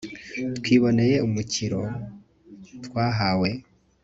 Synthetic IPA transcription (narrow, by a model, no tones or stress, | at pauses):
twiːβo̞ne̞je̞umuciɾo̞ | twaːɦawe̞